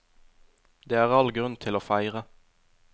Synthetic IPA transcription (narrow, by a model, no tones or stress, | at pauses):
d̪eːæːʁɑlɡʁʉnt̪ʰɪloːfæɪʁə